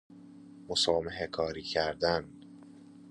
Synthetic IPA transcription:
mosɒːmeɦekʰɒːɾiːcʰæɾd̪æn

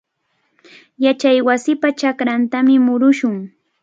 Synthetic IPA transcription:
jat͡ʃajwasɪpat͡ʃakɾant̪amɪmʊɾʊʃʊŋ

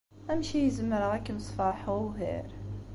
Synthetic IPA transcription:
æmʃijəzəmːəɾəʁækmsˤfɑħuwɦḭɾ

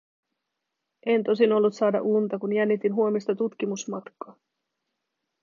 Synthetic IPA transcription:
ʔe̞nt̪o̞sino̞lːut̪sɑːdɑ̰ʔunt̪ɑkunjænːit̪inɦuo̞mist̪ɑt̪ut̪k̟imusmɑt̪kːˑɑː

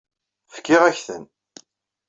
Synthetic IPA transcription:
fə̥kːɪʁæçθən

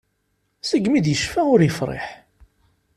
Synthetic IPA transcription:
səɡmid̪jəʃfæʊɾjəfɾˤḛħ

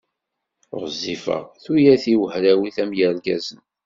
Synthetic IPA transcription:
ɾzːifə̰ʁθujæθiwəhɾæwiθæmjəɾɡæzən

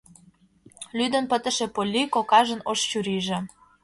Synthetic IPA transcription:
lyd̪ə̆npə̆t̪ə̆ʃĕpolʲːikokɑʒə̆noʃt͡ɕuɾiʒĕ

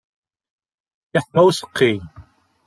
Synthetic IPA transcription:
ɪħmæwsə̥qʰːi

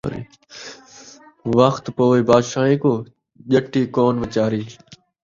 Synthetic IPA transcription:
ɾḭ | ʋəxt̪poːʋiːbaːd̪ʃaːɦĩːkoː | ʄəʈiːkoːnʋət͡ʃaːɾiː

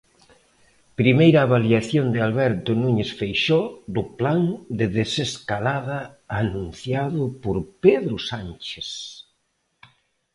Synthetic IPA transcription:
pɾimejɾaːβaliaθjond̪ɪalβɛɾt̪ʊnuɲesfejʃod̪ʊpland̪ɪðeseskalaðaː | nũnθjaðʊpoɾpeðɾʊsant͡ʃes

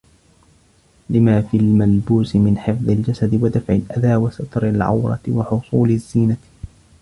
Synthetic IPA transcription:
lɪmaːfiːlmalbuːsɪmɪnħɪfðˤɪld͡ʒasad̪ɪwad̪afʕɪlʔad̪aːwasat̪ɾɪlʕa̰wɾˤɑ̰t̪wɑħʊsˤuːlɪzːiːna

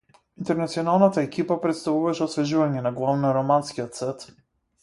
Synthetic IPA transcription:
int̪ɛɾnat̪siɔnalˠnat̪aɛkipapɾɛt̪st̪avuvaʃɛɔsvɛʒuvaɲɛnaɡlˠavnɔɾɔmanskijɔt̪sɛt̪

